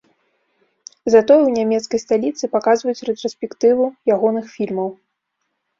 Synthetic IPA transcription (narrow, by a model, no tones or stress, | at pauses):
zat̪ɔjwnʲamʲɛt̪skɐjst̪alʲit̪sɨpakazvɐjut͡sʲrɛt̪ɾɔsʲpʲɛkt̪ɨvujaɣɔnɨxfʲilʲmɐw